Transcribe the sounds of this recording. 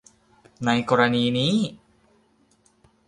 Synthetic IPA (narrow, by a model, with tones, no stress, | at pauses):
na˧jkɔː˧ɾa˧niː˧niː˦˥